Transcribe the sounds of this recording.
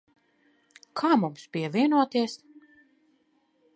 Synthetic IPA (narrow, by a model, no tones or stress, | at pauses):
kʰaːmumspʲiɛvʲiɛnuɔt̪iɛs